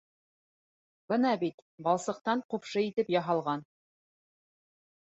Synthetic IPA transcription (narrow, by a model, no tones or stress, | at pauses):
bɤnɑbit̪bɑlˠsɤ̆q̚t̪ɑɴqupʃɤit̪ɘpjɑɦɑlˠʁɑn